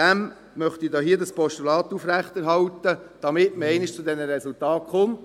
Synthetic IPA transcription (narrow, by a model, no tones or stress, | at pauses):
dæm | mœχt̪idoːɦiːdɑspɔʃtulɑːt̪ːufɾæχt̪ɛɾɦɑlt̪əd̥ɑmɪtməɛɪnɪʃt͡sʊdɛnəɾɛsultɑːt̚χʊmt